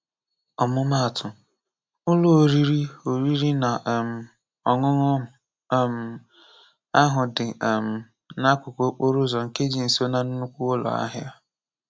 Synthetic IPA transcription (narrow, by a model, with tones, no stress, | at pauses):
ɔ˨mʊ˦ma˦a˨tʰʊ˨ | ʊ˦lo˦o˨ɾi˦ɾi˦o˨ɾi˦ɾi˦na˨ʔm̩˨ | ɔ˨ŋʊ˦ŋʊ˦˨ | m̩˨ | a˦ɦʊ˨dɪ˨m̩˨ | na˦kʷʊ˨ko˨˦k͡po˦ɾʊ˦zɔ˨ŋ̩˨ke˦d͡ʒi˨n̩˨so˦na˦nʊ˦nu˦kʷu˦o˦lɔ̰˨a̰˦ɦja˦